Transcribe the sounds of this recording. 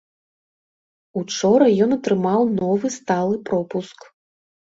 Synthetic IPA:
ut͡ʂɔɾɐjɔnɐt̪ɾɨmawnɔvɨst̪alˠɨpɾɔpusk

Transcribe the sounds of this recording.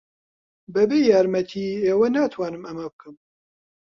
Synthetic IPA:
bɛbeːjaːɾmɛt̪ʰiːeːwɐnaːt̪ʰwaːnɨmɐmɐbɨkɨm

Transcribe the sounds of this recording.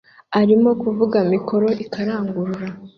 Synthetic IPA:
aɾimo̞kuvuɡamikʰo̞ɾo̞ʔikaɾaːŋɡuɾuɾa

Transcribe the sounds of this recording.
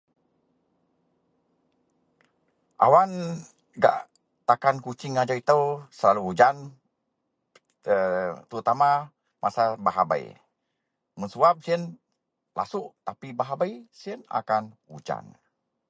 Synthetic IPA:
ʔa̰wan | ɡa̰ʔ | t̪akankut͡ʃɪŋad͡ʒait̪əwsəlaluud͡ʒan | ət̪əɾut̪ama | mʔasabaɦa̰ba̰j̰ | mənsuap̚siən | la̰suʔt̪apibaɦabajsiəna̰kanud͡ʒa̰n

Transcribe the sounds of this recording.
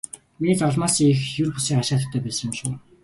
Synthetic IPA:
meniːt͡sɔɮmaːsiexjɵrpusiːŋaʃaːt̪ə̆t̪ʰːæːpæːsə̆mʃuː

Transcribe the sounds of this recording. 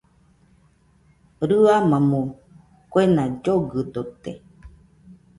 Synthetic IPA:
ɾɯamãmõ | kwenãd͡ʒoɡɨd̪ot̪e

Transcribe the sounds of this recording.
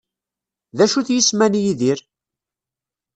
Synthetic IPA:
ðæʃuθjismænjiðiɾ

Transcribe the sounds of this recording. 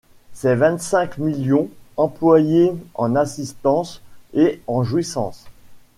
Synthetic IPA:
sɛvɛ̃t̪sɛ̃kmiljɔ̃ɑ̃plwajeɑ̰̃nasist̪ɑ̃seɑ̃ʒwisɑ̰̃s

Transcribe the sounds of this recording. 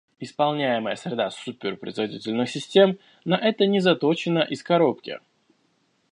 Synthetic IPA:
ɪspɐlˠnʲæjɪməjəsɾʲɪd̪asupʲɪrpɾə̰ɪzvɐdʲitʲɪlʲnɨxsʲɪsʲtʲe̞m | nɐʔɛt̪ənʲɪzɐt̪ot͡ɕɪnəʔɪskɐɾo̞pkʲɪ̰

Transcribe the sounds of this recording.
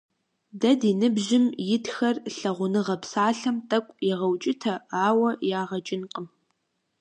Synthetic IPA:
dɐdinɨbʑɪmjɪtxɐrɬɐʁʷʊnɨʁɐpsaːɬɐmtʼɐkʷʼjɪʁɐwt͡ʃʼɪtʰɐaːwɐjaːʁɐt͡ʃʼɪnqʼəm

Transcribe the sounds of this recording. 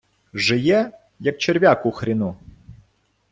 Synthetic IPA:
ʒɪjɛ | jɐk̚t͡ʃeɾʲʋʲakʊxɾʲinu

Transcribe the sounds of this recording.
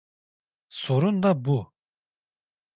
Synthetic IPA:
soɾund̪abu

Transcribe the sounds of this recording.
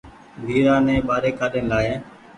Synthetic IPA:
b̪ʱiːɾaːnɛ̃ːɓaːɾeːkaːɗeːnlaːeː

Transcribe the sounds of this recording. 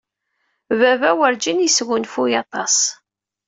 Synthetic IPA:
vævæwəɾd͡ʒinjisɣʊnfujɑt̪ˤɑs

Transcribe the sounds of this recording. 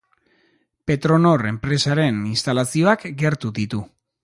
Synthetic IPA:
pe̞t̪ɾo̞no̞re̞mpɾe̞saɾe̞ninst̪alasio̞akɡe̞ɾt̪uðit̪u

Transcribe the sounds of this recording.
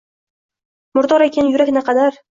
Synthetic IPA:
mʊɾd̪ɒɾekʲenjʊɾakʲnaqʰɑd̪aɾ

